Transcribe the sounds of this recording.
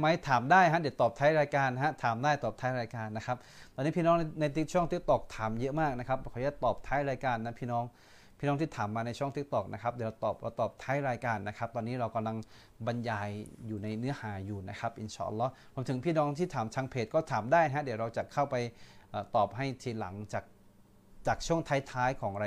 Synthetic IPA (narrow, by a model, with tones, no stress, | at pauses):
ma˦˥jt̪ʰaː˩˦mdaː˥˩jɦa˦˥di˩˦wt̪ɔː˨˩p̚t̪ʰaː˦˥jɾaː˧jkaː˧nːɦa˦˥t̪ʰaː˨˩˦mdaː˥˩jt̪ɔː˨˩p̚t̪ʰaː˦˥jɾaː˧jkaː˧nːa˦˥kʰa˦˥p̚t̪ɔː˧nːiː˦˥pʰiː˥˩nɔː˦˥ŋ˧na˧jt̪i˦˥t͡ɕʰu˥˩ə˨ŋt̪i˦˥k̚t̪ɔ˨˩k̚t̪ʰaː˨˩˦mjɤ˦˥maː˥˩k̚na˦˥kʰa˦˥p̚kʰːjaː˥˩t̪ɔː˨˩p̚t̪ʰaː˦˥jɾaː˧jkaː˧nːa˦˥pʰiː˥˩nɔː˦˥ŋ | pʰiː˥˩nɔ˦˥ŋt̪ʰiː˥˩t̪ʰaː˩˦mːaː˧na˧jt͡ɕʰu˥˩ə˨ŋt̪i˦˥k̚t̪ɔ˨˩k̚nʔa˦˥kʰa˦˥p̚di˩˦ɾa˧wt̪ɔː˨˩p̚ɾa˧wt̪ɔː˨˩p̚t̪ʰaː˦˥jɾaː˧jkaː˧nːa˦˥kʰa˦˥p̚t̪ɔː˧nːiː˦˥ɾa˧wka˧mla˧ŋ | ba˧njaː˧jjuː˨˩na˧jnɯ˦˥ɐhaː˩˦juː˨˩na˦˥kʰa˦˥p̚ʔi˧˩nt͡ɕaː˧˩ʔa̰˧lːɔː˦˥ɾu˧əmt̪ɯ˩˦ŋpʰiː˥˩nɔː˦˥ŋt̪ʰiː˥˩t̪ʰaː˩˦mt͡ɕʰaː˧ŋpʰeː˨˩t̪̚kɔː˥˩t̪ʰaː˩˦mdaː˥˩jɦɛ˦˥di˨˩˦wɾa˧wt͡ɕa˨˩kʰa˥˩wpa˧jʔaː˨˩t̪ɔː˨˩p̚ɦa˥˩jt̪ʰiː˧˩la̰˩˦ŋt͡ɕaː˨˩k̚ | t͡ɕaː˨˩k̚t͡ɕʰu˥˩əŋt̪ʰaː˦˥jt̪ʰaː˦˥jkʰɔː˩˦ŋɾa˧